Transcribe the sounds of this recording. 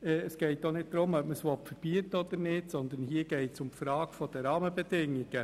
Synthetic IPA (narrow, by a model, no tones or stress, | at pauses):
ɛːsɡ̥ɛɪtːonɪt̚d̪ɾʊmœpməsʋɔpfəɾb̥yətəɔd̪əɾnɪsɔnd̪ənhiəɡ̥ɛɪtsʊmpfɾɑːkfɔd̥̪əɾɑːməbɛdɪŋːɪɡ̥ə